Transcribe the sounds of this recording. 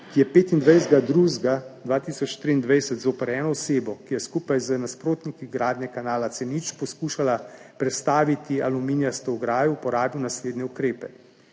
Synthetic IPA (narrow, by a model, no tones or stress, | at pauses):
kijɛpeːt̪ind̪ʋɛjzd̪ɡad̪ɾuzɡad̪ʋaːt̪isɔt͡ʃt̪ɾiːnd̪ʋɛjsɛt̪zoːpɛɾɛːnɔɔseːbɔkijɛskupajzənaspɾoːt̪nikiɡɾaːd̪nʲɛkanaːlat̪sɛnit͡ʃpɔskuːʃalapɾɛt̪st̪aːʋit̪ialuminijast̪ɔwɡɾaːjuupɔɾaːbiwnasleːd̪nʲɛukɾeːpɛ